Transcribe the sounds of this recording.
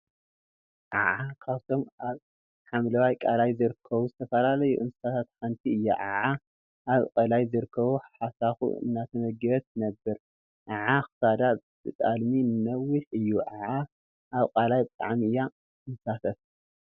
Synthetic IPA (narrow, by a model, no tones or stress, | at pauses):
ʔaʕakʰaβt̪ʰo̞mʔaβ | ħamlɐwajkʼalajzɨɾɨkʰːɐβuzɨt̪ʰɐfɐlalɐjṵʔɨnsɨ̥sat̪ʰat̪ħant̪ʰiɨjːa̰ʕaʕa | ʔaβkʼɐlajzɨɾɨkʰːɐβuħasaxṵɨ̰nːat̪ʰɐmɐɡɐβɐt̪nɐbːɨɾ | ʔaʕaxɨ̥sad̪ab̥ɨt̪ʼalminɨnɐwiħɨjːuʕaʕa | ʔaβkʼalajbɨt̪ʼa̰ʕmiɨjːa | ɨnsafʰɐt̪